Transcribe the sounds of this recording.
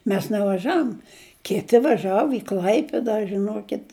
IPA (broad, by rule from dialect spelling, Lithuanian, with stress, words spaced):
ˈmʲɛs nʲɛʋɐˈʒɐʊm ˈkʲɪtʲɪ ʋɐˈʒɑːʋʊ ɪ ˈklˠɐɪpʲɪdɐ ʒʲɪˈnuɔkʲɪt